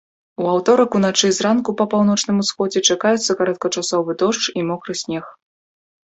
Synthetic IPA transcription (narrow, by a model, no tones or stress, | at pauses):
uawt̪ɔɾɐkun̪at͡ʂɨzɾankupɐpawn̪ɔt͡ʂnɨmusxɔd͡zʲɛt͡ʂakajut̪sːɐkaɾɔt̪̚kɐt͡ʂasɔvɨd̪ɔʂt͡ʂimɔkɾɨsʲnʲɛx